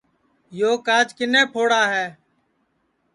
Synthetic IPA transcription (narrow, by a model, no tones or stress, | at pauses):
joːkaːd͡ʒkɪnẽːpʰoːɽaːɦɛː